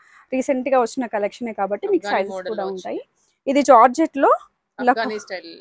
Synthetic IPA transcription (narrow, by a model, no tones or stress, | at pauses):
ɾiːseɳʈɡaːʋɐt͡ʃːinɐkɐlekʂɐne̞ːkaːbɐʈːimiːkusɐjskuːɽaːuuɳʈaːji | id̪id͡ʒaːɾd͡ʒeʈlo̞ː | lɐkːu